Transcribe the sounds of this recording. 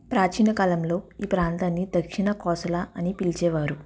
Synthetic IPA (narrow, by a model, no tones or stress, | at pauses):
pɾaːt͡ʃinɐkaːlɐmlo̞ːiːpɾaːnt̪aːnːid̪ɐkʂinɐkɔːsɐlaːʔɐnipilt͡ʃɛːʋaːɾu